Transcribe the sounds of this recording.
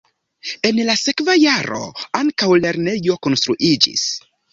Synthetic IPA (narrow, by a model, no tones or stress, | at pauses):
e̞nlasekvajaɾo̰aŋkawle̞ɾnejo̞ko̞nst̪ɾuʔid͡ʒḭs